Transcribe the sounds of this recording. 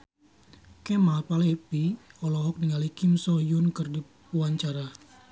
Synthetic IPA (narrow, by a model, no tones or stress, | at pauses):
kɛmapalepiɔlɔɦɔk̚niŋalikɪmsɔjʊnkɨrdi | puaɲt͡ʃaɾa